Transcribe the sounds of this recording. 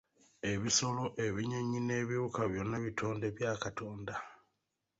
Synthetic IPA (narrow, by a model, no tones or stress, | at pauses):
e̞βiso̞lo̞ʔe̞βiɲeɲine̞ːβiβukaβjo̞nːeβitʰo̞ːnde̞βjaːkato̞ːnda